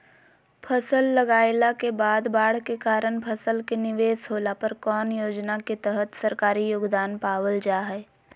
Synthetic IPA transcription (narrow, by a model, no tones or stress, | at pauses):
pʰəsəlːɐɡaːɪlakebaːd̪baːɽ̤kekaːɾəɳpʰɐsəlkenɪʋeːsɦoːlapɐɾkɔːnjoːd͡ʒnaket̪ɛɦət̪sɐɾkaːɾijoːɡd̪aːnpaːwəld͡ʒaːɦɛː